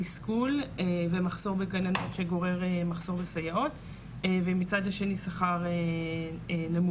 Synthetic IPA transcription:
iskulvemaχso̞ʁbekananotʃeɡo̞ʁe̞ʁemaχz̥o̞ʁbesajao̞tː | vemit͡sadhaʃe̞nisaχaʁe | namu

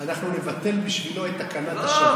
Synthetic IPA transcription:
anaχnune̞vat̪e̞lbiʃvilo̞et̪akanat̪aʃe

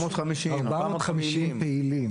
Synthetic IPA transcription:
mod̪amiiaʁbamod̪χamiʃimpeilim

